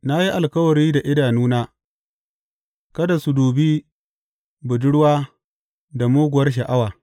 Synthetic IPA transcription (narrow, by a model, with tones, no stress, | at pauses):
na˦ji˦ʔa˨lkɐ˦wɐ˨ɾiː˦da˨ʔɪ˦daː˨nuː˦naː˦ | kɐ˦da˨su˨duː˨biː˦ | bʊ˨d͡ʒɪ˦ɽwaː˦ | da˨moː˦ɡʷʊ˨wɐ˦rʃ̬ɐ˨ʔa˦waː˨